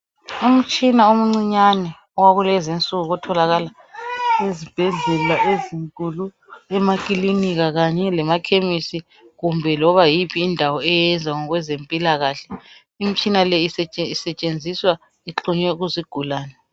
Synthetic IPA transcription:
um̩t͡ʃʼinaum̩ŋ͡ǀiɲanɛ | ɔwaβulɛzent͡sʼuɣuɣɔtʰɔlaɣala | ezib̥ʱɛɮɛlaʔeziŋkʼulu | ɛmakʼiliniɣaɣaɲɛlɛmakʰemisi | ɣumbʱɛlɔβajipʰiːndʱawɔɛjɛnd͡zʱaŋɔɣwɛzempʼilaɣaːɬɛ | im̩t͡ʃʼinalɛist͡ʃʼisɛt͡ʃʼend͡zʱiswa | iǃuɲwɛuɣuziɡ̥ʱulaːnɛ

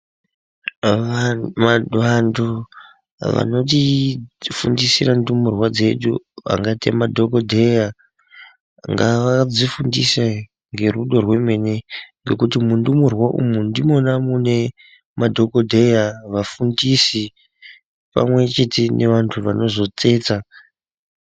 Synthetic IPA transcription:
ʋantʰu | ʋa̰no̞t̬i | fundisirandumurwad͡ze̞ɗṵa̰ŋɡatia̰madʱo̞kodʱeja | ŋɡaʋad͡zifundisa | ŋɡe̞ruɗo̞rwe̞me̞ne̞ŋɡe̞kutimundumurwaʔṵmundimo̞namune̞ | madʱo̞ko̞dʱejaʋafundisi | pa̰mwe̞t͡ʃe̞te̞ne̞ʋantʰuʋano̞zo̞t͡se̞ːt͡sa

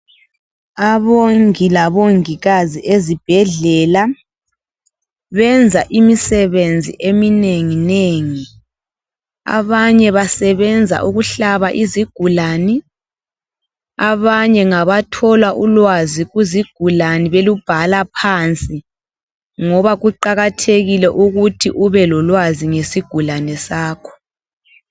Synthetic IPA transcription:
aβoŋilaβoŋiɣaziʔezib̥ʱɛɮɛːla | βɛnd͡zʱaʔimisɛβend͡zʱḭʔemineŋineŋi | a̰βaɲɛβasɛβɛnd͡zʱa̰ʔuɣuɬaβaʔiziɡ̥ʱulani | aβaɲɛŋaβatʰɔlwaʔulwaziɣuziɡ̥ʱulaniβelub̥ʱalapʰant͡sʼi | ŋɔβaɣuǃaɣatʰeɣilɛʔuɣutʰiʔuβɛlɔlwaziŋesiɡ̥ʱulanɛsaːkʰɔ̥

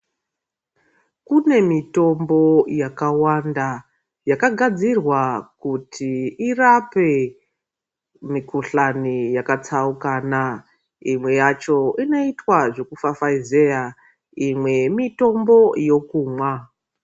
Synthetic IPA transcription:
kune̞mito̞mbo̞jakawanda | jakaɡʱad͡zirwakutʰiirape̞ | mikuɬanijakat͡saukaːna | imwe̞jat͡ʃo̞ino̞itwaʐe̞kufafaizeja | imwe̞mito̞mbo̞jo̞kuːmwa

